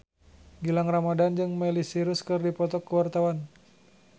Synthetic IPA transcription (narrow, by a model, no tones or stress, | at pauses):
ɡilaŋramadand͡ʒɨŋmɛlisiɾuskɨrdipɔt̪ɔkːəwart̪awan